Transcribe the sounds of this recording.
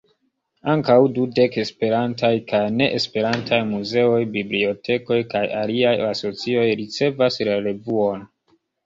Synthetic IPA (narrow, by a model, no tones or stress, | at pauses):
aŋkawdude̞ke̞spe̞ɾantajkajne̞ʔespe̞ɾantʰajmuze̞o̞jbiblio̞tʰe̞ko̞jkajaliajaso̞t͡sio̞jɾit͡se̞vaslaɾe̞vuo̞n